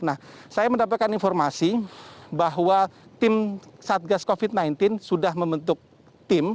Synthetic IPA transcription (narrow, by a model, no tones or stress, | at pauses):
nahsajaməndapat̪̚kaninfɔrmasibaɦwat̪ɪmsat̪̚ɡaskofit̪̚najnt̪ɪnsudahməmbənt̪ʊk̚ | t̪ɪm